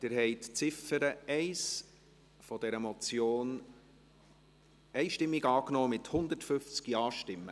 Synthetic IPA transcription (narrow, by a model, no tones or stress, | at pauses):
d̥ɪːɾhɛɪtt͡sɪfəɾəɛɪs | fɔd̥ɛɾəmɔt͡sjoːn | ɛɪʃtɪmːiɡɑːknɔːmɪthʊnd̪ətfʏft͡skiɑːʃtɪmːə̰